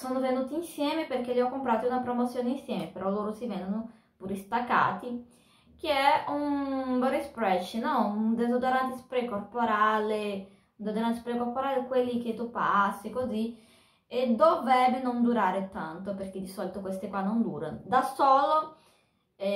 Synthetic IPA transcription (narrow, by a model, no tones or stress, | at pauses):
soːnovenuːt̪iːnsjɛːmeperk̟eʎːiɔkːompɾaːt̪iunapɾomot̪sːjoːneinsjɛːmepeɾɔlːoːɾosivɛnd̪ono | puɾist̪akːa̰ːt̪i | k̟eɛunbɛɾespɾɛʃnɔud̪ezod̪oɾant̪ispɾɛkorpoɾale | nd̪od̪oɾant̪ispɾɛkorpoɾaːlekwelːik̟et̪ːupːasːikozi | ed̪ovɾɛbenond̪uɾaːɾet̪ant̪operk̟ed̪isɔlit̪okwest̪ekwanːond̪uːɾa̰nod̪asoːlo